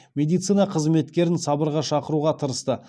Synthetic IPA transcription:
mʲe̞d̪ijt̪sɨjnɑqʰəzme̞t̪kʲe̞ɾɪnsɑbəɾʁɑʃɑqəɾuʁɑt̪ʰəɾəst̪ə

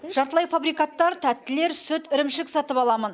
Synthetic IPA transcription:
ʒɑɾt̪əlˠɑjfabɾijkat̪ːɑɾt̪ʰæt̪ːɪle̞ɾsɵt̪ɪɾɪmʃɪksɑt̪əpɑlˠɑmən

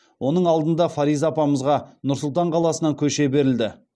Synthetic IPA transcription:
wʔo̞nəɴɑlˠd̪ənd̪ɑfaɾijzapɑməzʁɑnʊɾsʊlˠt̪ɑɴqʰɑlˠɑsənɑŋkʲʰɵʃe̞be̞ɾɪld̪ɪ

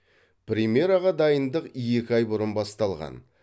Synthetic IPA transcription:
pɾʲimʲje̞ɾaʁɑd̪ɑjənd̪əqje̞kʲɪɑjbʊɾənbɑst̪ɑlˠʁɑ̰n

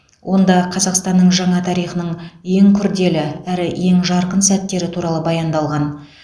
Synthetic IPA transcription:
wʔo̞nd̪ɑqʰɑzɑqst̪ɑnːəɴʒɑɴɑt̪ʰɑɾijχənəɴje̞ŋkʲʰʏɾd̪e̞lɪæɾɪje̞ŋʒɑɾqənsæt̪ːe̞ɾɪt̪ʰuɾɑlˠəbɑjɑnd̪ɑlˠʁɑn

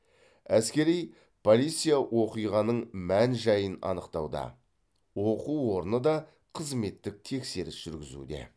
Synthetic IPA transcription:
æskʲe̞ɾij | pʰo̞lʲijt̪sijawo̞qijʁɑnəɴmænʒɑjənɑ̰nəqt̪ɑwd̪ɑ̰ | wo̞quwo̞ɾənəd̪ɑ | qʰəzme̞t̪ːɪk̚t̪ʰe̞kse̞ɾɪsʒ̥ʏɾɡʲɪzṵd̪e̞̰

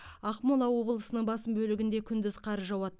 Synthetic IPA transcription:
ɑqmolˠɑwo̞bəlˠəsənəɴbɑsəmbɵlɪɡʲɪnd̪e̞kʲʰʏnd̪ɪzqʰɑɾəʒɑwɑt̪ː

